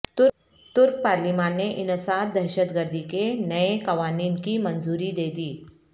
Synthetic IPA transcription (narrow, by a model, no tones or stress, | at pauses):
t̪ʊ | t̪ʊɾk̚paːɾlimãːnːeʔɪnəsaːd̪ɐɾʃət̪ɡəɾd̪ʱikenɐekɐʋaːniːnkimɐ̃nzuːɾid̪eːd̪iː